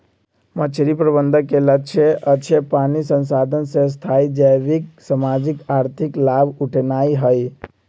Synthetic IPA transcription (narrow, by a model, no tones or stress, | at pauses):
mət͡ʃʰɾipɾəbənd̪ʱəkelət͡ʃʰeʔət͡ʃʰepanisənsad̪ʱənsẽs̬t̪ʰaid͡ʒəjbiksəmad͡ʒikaɾt̪ʰiklabuʈʰnaiɦəj